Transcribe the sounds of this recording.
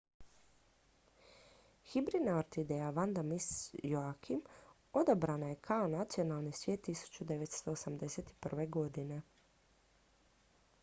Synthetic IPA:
xibɾid̪naoɾt̪id̪ejaʋand̪amisjoakʰim | o̞d̪abɾanaje̞kʰao̞nat̪sijo̞nalˠnisʋjeːt̪ːisu̥t͡ɕud̪e̞ʋet̪st̪o̞ːsamd̪e̞set̪i̥pr̩ʋe̞ɡo̞d̪ine̞

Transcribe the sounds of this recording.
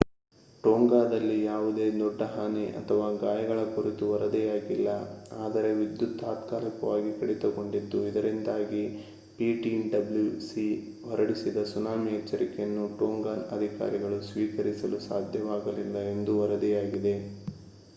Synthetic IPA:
ʈoːŋɡaːd̪ɐlːijaːʋud̪eːd̪ɔɖːɐɦaːniʔɐ̰t̪ʰɐʋaːɡaːjɐɡɐɭɐkuɾit̪uʋɐɾɐd̪ɛjaːɡilːɐaːd̪ɐɾe̞ʋid̪jut̪ːaːt̪kaːlikɐʋaːɡikɐɽit̪ɐko̞ɳɖid̪ːuid̪ɐɾind̪aːɡi | piːʈinɖɐblusi | ʋɔɾɐɽisid̪ɐsunaːmiɛt͡ʃːɐɾʔikejɐnːuʈoːŋɡaːnɐd̪ʱika̰ːɾiɡɐɭusʋiːkɐɾisɐlusaːd̪ʱjɐʋaːɡɐlilːɐe̞nd̪uʋɐɾɐd̪ɛjaːɡid̪e̞

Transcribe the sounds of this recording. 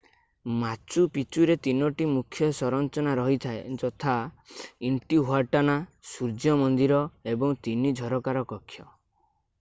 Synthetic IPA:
mat͡ʃupit͡ʃuɾet̪inɔʈimukʰːjɔsɔɾɔnt͡ʃɔnaɾɔɦit̪ʰaed͡ʒɔt̪ʰa | iɳʈiɦoaʈanasuɾd͡ʒjɔmɔnd̪iɾɔebɔŋt̪inid͡ʒʱɔɾɔkaɾɔkɔkʰːjɔ

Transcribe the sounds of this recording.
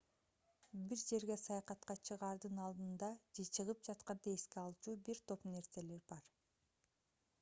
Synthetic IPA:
biɾd͡ʒe̞ɾɡe̞sɑjɑqɑt̪qɑt͡ʃʰɯʁɑːɾd̪ɯnɑlˠd̪ɯnd̪ɑd͡ʒe̞t͡ʃʰɯʁɯp̚d͡ʒɑt̪qɑnd̪e̞skeɑlˠt͡ʃuːbiɾt̪ʰo̞pne̞ɾse̞le̞ɾbɑɾ

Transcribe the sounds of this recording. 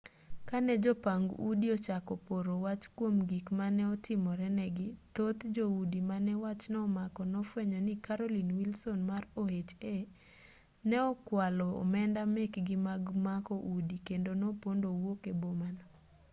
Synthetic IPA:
kanɛd͡ʒɔpaŋɡṵdiɔt͡ʃakɔpoɾowat͡ʃkwomɡikmanɛɔtɪmɔɾɛnɛɡɪt̪ot̪d͡ʒoudimanɛwat͡ʃnɔːmakɔnɔfwɛɲɔnikaɾolinwilsonmarohet͡ʃe | nɛɔkwalɔ̰ːmɛndamekɡɪmaɡmakɔʔudikendonopondowokebomanɔ

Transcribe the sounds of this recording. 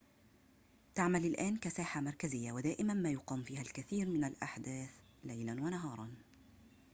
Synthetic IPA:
t̪aʕmalɪlʔaːnkasaːħamɑɾˤkazɪjːawad̪aːʔɪmanmaːjʊqɑːmfiːhalkaθiːɾmɪnalʔaħd̪aːθ | lajlanwanaɦɑːɾˤɑn

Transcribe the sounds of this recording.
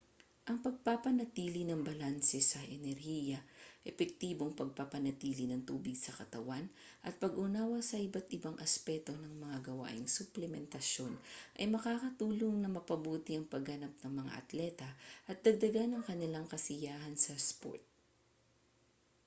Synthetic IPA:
ʔɐŋpɐɡ̚papɐnɐt̪iːlɪnɐŋbɐlansɛsɐʔɛnɛɾhiːjɐʔɛpɛk̚t̪iːbo̞ŋpɐɡ̚papɐnɐt̪iːlɪnɐŋt̪uːbɪɡsɐkɐt̪ɐwan | ʔɐt̪̚pɐɡʔʊnaːwɐsɐʔɪbat̪ɪbaŋʔɐspɛt̪o̞nɐŋmɐŋaɡɐwa̰ːʔɪŋsʊplɛmɛnt̪ɐʃjo̞nʔɐjmɐkaːkɐt̪uːloŋnɐmɐpɐbuːt̪ɪɐŋpɐɡhɐnap̚nɐŋmɐŋa̰ʔɐ̰t̪lɛt̪ɐʔɐt̪̚d̪ɐɡ̚d̪ɐɡanɐŋkɐnɪlaŋkɐsɪjaːhɐnsɐspo̰ɹt̪̚

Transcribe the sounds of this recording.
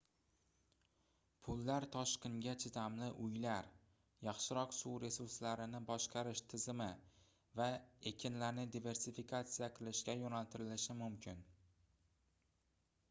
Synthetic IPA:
pʰʊlːaɾt̪ʰɒʃqʲɪŋɡʲat͡ʃʰɪt̪ʰamlɪʔʊjlaɾ | jɑχʃɪɾɒqsuwɾe̞suɾslaɾɪnɪbɒʃqʰɑɾɪʃt̪ʰɪzɪmɪ | vae̞kʲʰɪnlaɾnɪd̪ive̞ɾsifikʰat̪sijaqʰɨlˠɪʃɡʲajonalt̪ʰɪɾɪlɪʃɪmʊmkʲʰɪn

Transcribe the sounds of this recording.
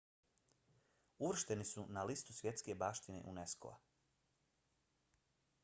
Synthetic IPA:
uʋr̩ʃt̪enisunalist̪usʋje̞t̪ske̞baːʃt̪inḛʔunesko̰a̰

